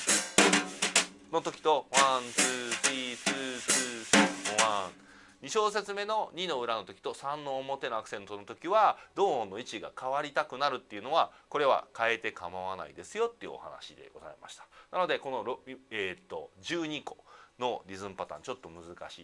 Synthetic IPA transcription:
not̪o̞kʲi̥t̪o̞wãnt͡sɨːt͡sit͡sɨːt͡sɨːt͡sːowã | ɲiɕo̞ːs̬e̞t͡sɨme̞no̞ɲ̟ino̞ɯ̟ɾano̞t̪o̞kʲi̥t̪o̞sãnːo̞ːmo̞t̪e̞no̞akɯ̥sẽ̞nt̪o̞not̪o̞kʲiβad̪o̞ːõnːo̞it͡ɕiɡa̰kʰaβaɾʲit̪akɯ̟naɾɯ̟t̪ːe̞iɯ̟no̞βako̞ɾe̞βa̰kae̞t̪e̞kamaβana̰ḭd̪e̞sɨjo̞t̪ːeiɯ̟̰o̰ha̰na̰ɕid̪e̞̰ɡo̞za̰ḛma̰ɕi̥t̪ḁnano̞d̪e̞ko̞no̞ɾet̪ːo̞̰d͡ʑɨːɲ̟iko̞̰no̞ɾʲizɨ̃mpat̪ã̰ɲ̟t͡ɕo̞t̪ːo̞mɯ̟zɨka̰ɕi

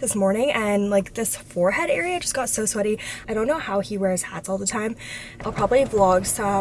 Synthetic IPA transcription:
ðɪsmɔɹnɪ̃ŋʔɨ̃nlaɪk̚ðɪsfɔɹhɛɾɛɹiɨd͡ʒʌsɡ̥ɑtsoʊswɛɾiaɪɾõʊ̃nːoʊhaʊiwɛɹɨz̥hætsɔlˠðətʰãɪ̃m | ʔaɪlˠpʰɹ̥ɑbəbliblɔɡz̥tʰʌ

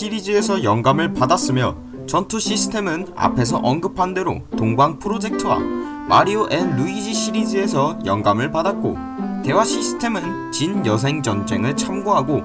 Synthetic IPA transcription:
ɕʰiɾid͡ʑie̞sʰʌjʌŋɡamɯɭpadas͈ɯmjʌ | t͡ɕʌntʰuɕ͈ʰisʰɯ̥tʰe̞mɯna̰pʰe̞s̬ʰʌ̰ʔʌnɡɯpʰande̞ɾo̰toŋbaŋpʰɯɾod͡ʑe̞k̚tʰɯwa̰ | maɾioʔenːuid͡ʑiɕʰiɾid͡ʑie̞sʰʌjʌŋɡamɯɭpadat̚k͈o̰ | te̞waɕ͈ʰisʰɯ̥tʰe̞mɯn | t͡ɕinjʌsʰe̞ŋd͡ʑʌnd͡ʑeŋɯɭt͡ɕʰamɡoɦaɡo

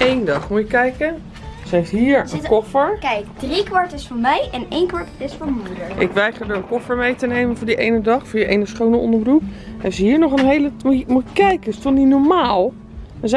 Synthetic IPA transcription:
ejndɑχmujəkːɛjkə | sɛɪsɦiːɹənkɔfəɹkɛjkdrikʋɑɹtɪsfʊɹmɛjʔɛnejnkʋaɹtɪsfonmudəʔɪ̰kʋɛjχəɹdəɹənkɔfəɹmejtənejmənvʊːɹdiʔejnədɑχfʊːɹjəʔejnəsχownəʔɔ̰ndəbrupɛsəɦiːɹnɔχənɦejləmumuəkːɛjkəɪstolˠninɔɹmaːlˠ | əz

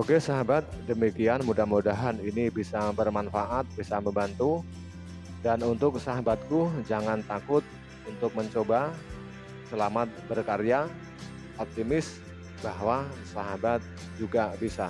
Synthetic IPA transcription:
oɡɛsaɦabat̪̚dəmikianmudahmudaɦaninibisabərmanfaʔat̪̚bisaməmbant̪u | danunt̪ʊk̚saɦabat̪̚kud͡ʒaŋant̪akʊt̪̚ | unt̪ʊk̚məɲt͡ʃoba | səlamat̪̚bərkaɾja | ɔp̚t̪imɪs | b̥aɦwasaɦabat̪̚ | d͡ʒuɡabisa̰

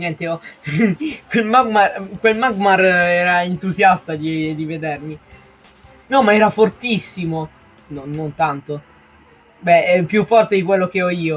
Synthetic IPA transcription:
ɲjɛnt̪eɔ | kwelmaɡmarkwelmaɡmarɛːɾaint̪uzjast̪ad̪id̪ived̪ermi | nɔmaɛːɾafort̪isːimo | nonːont̪ant̪o | bɛpjufːɔrt̪ed̪ik̬welːok̟eɔiːo

